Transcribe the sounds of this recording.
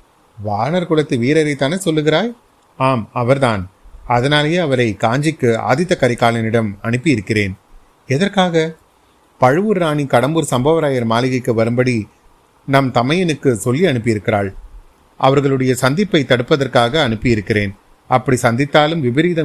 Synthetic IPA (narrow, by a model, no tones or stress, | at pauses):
ʋaːɾnɐɾkʊɭɐt̪ːɯʋiːɾɐɾɐɪt̪ːaːnɐsɔlːɯɣɪɾaːj | aːmɐʋɐɾðaːnɐðɐnaːlɐjeɐʋɐɾɐɪkaːɲd͡ʒɪkːɯa̰ːðɪt̪ːɐkɐɾɪkːaːlɐnɪɽɐmɐnɯpːɯjɪɾɯkːɪreːn | ɛðɐrkaːɣɐ | pɐɻɯʋɯɾnaːnikɐɽɐmbɯɾsɐmbɐʋɐɾaːjɐɾmaːlɪɣɐɪkːɯʋɐɾɯmbɐɽi | nɐmt̪ɐmɐjɐnɯkːɯsɔlːiɐnɯpːɪjɪɾɯkːɪɾaːɭ | ʔɐʋɐɾɣɐɭɯɽɐjɐsɐnd̪ɪpːɐɪt̪ɐɽɯpːɐðɐrkaːɣɐːnɯpːɪjɪɾɯkːɪɾeːn | ʔɐpːɐɽisɐnd̪ɪt̪ːaːlɯmʋɪbɐɾiːðɐ